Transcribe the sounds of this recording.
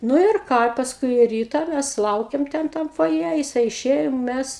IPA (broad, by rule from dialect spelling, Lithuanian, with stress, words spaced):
ˈnʊ ɪr ˈkɑː ɪ pɐsˈkʊɪ ˈrʲiːtɐ ˈmʲæs ˈlˠɐʊkʲɛm ˈtʲɛn ˈtɐm foːˈjɛ jɪˈsɐɪ ɪˈʃʲeːjoː ˈmʲæs